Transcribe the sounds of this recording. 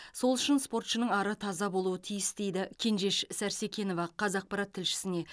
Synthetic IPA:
so̞lˠʏʃɪnspo̞rt̪ʃənəɴɑɾət̪ʰɑzɑbo̞lˠuət̪ʰijɪst̪e̞jd̪ɪkʲʰe̞nʒe̞ʃsæɾse̞kʲe̞no̞vɑqʰɑzɑq̚pɑɾɑt̪ʰːɪlʃɪ̥sɪne̞

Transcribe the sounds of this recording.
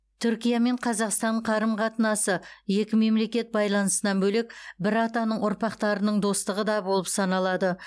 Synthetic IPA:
t̪ʰʏɾkʲijame̞ɴqʰɑzɑqst̪ɑɴqʰɑɾəmqʰɑt̪ənɑsəje̞kʲɪme̞mle̞kʲe̞t̪̚bɑjlˠɑnəsənɑnbɵlek̚bɪɾɑt̪ɑnəɴʊɾpɑqt̪ɑɾənəɴd̪o̞st̪əʁəd̪ɑbo̞lˠəpsɑnɑlˠɑd̪ə

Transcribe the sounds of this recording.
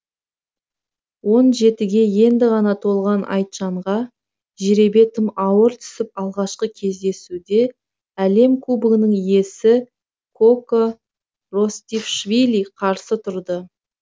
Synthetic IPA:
wo̞nʒe̞t̪ɪɡʲe̞je̞nd̪ɪʁɑnɑt̪ʰo̞lˠʁɑnʔɑ̰jt̪ʒɑɴʁɑ | ʒeɾe̞be̞t̪əmɑwəɾt̪ʰʏ̥sɪp̚ɑlˠʁɑʃqəkʲʰe̞zd̪e̞sud̪e̞ | æle̞mkʰubɪɡʲɪnɪŋije̞sɪ | kʰo̞ko | rost̪ifʃvilʲiqʰɑɾsət̪ʰʊɾd̪ə

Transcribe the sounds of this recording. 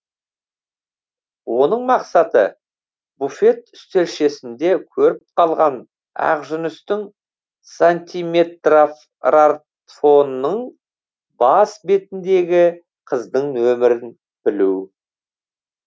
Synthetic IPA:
wo̞nəɴmɑqsɑt̪ə̰ | bufe̞t̪ʏ̥st̪e̞ɾʃe̞sɪnd̪e̞kʲʰɵɾɪp̚qʰɑlˠʁɑn | ɑ̰qʒʏnʏst̪ɪŋ | sant̪ʲime̞t̪ro | rat̪ | fo̞nːəɴ | bɑsbe̞t̪ɪnd̪e̞ɡʲɪ | qʰəzd̪əɴnɵmɪɾɪn | b̥ɪlu

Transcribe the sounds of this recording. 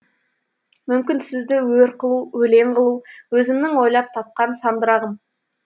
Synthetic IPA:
mʏmkʲɪnsɪzd̪ɪwɵɾqʰəlˠuwɵle̞ɴqəlˠuwɵzɪmnɪŋwo̞jlˠɑp̚t̪ʰɑp̚qɑnsɑmd̪əɾɑʁəm

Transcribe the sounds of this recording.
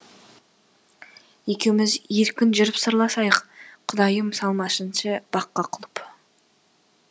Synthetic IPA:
je̞kʲe̞wɪmɪzjeɾkʲɪnʒʏɾəpsəɾlˠɑsɑjəqqʰːʊd̪ɑjəmsɑlˠmɑʃənʃəb̥ɑqːɑqʰʊlˠəp

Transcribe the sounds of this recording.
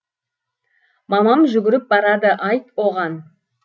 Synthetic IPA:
mɑmɑmʒʏɡʲɪɾɪp̚bɑɾɑd̪əʔɑjt̪wo̞ʁɑn

